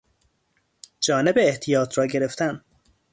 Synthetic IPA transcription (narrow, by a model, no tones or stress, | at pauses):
d͡ʒɒːne̞beːht̪ʰijɒːt̪ʰɾɒːɟe̞ɾe̞ft̪æn